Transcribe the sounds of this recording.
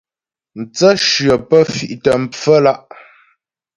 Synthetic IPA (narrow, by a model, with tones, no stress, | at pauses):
n̩˨t͡sə˦ʃɥɰə˨pə˦fi˨ʔtə˨m̩˨p͡fə˦la˦ʔ